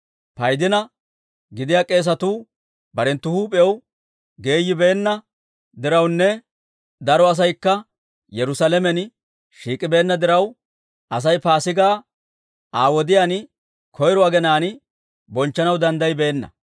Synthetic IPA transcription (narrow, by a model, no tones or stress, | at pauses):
pɐjd̪ɪnɐ | ɡɪd̪ɪjaːkʼe̞ːs̬ɐt̪uː | bɐɾɛnt̪ːʊhuːpʼɛɛw | ɡe̞ːjːɪbe̞ːnːɐ | d̪ɪɾɐwnːɛ | d̪ɐɾɔɐs̬ɐjkːɐ | jɛɾʊsalɛmɛn | ʃiːkʼːɪbe̞ːnːɐd̪ɪɾɐw | ɐs̬ɐjpaːsɪɡaː | aːwɔd̪ɪjaːn | kʰɔjɾɔaɡɛnaːn | bɔnt͡ʃːɐnɐwd̪ɐnd̪ɐjbe̞ːnːɐ̰